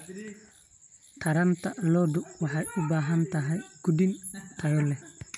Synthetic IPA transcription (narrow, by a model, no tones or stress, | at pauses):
tʰaɾantalɔdɔwaħaʔubaɦantaɦajɡ̥udintʰajɔlːɛ